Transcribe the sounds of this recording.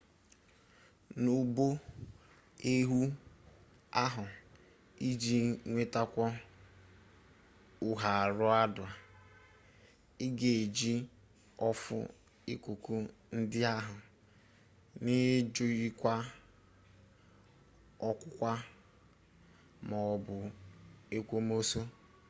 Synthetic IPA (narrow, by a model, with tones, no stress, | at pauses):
nu˨bo˦ | e˦ɦu˦ | a˦ɦʊ˨ | i˦d͡ʒi˦ŋʷe˦ta˦kʷɔ˦ | ʊ˨ɦa˨ɾʊ˦a˦dʊ˨a˨ | ɪ˦ɡe˨e˨d͡ʒi˦ | ɔ˦fʊ̰˦ | i˦kʷu˨ku˦ | n̩˦dɪ˦a˦ɦʊ˨ | nɪ˦d͡ʒʊ˦ji˦kʷa˦ | ɔ˦kʷʊ˦kʷa˦ | mɔ˨ɔ˨bʊ˨ | e˦kʷo˦m˦o˦so˦